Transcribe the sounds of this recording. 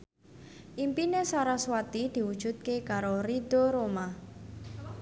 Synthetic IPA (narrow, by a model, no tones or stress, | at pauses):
ʔimpinesaɾaswat̪id̪̥i̤wud̥ʒ̥ṳt̪̚kekaɾoɾid̪̥oɾoma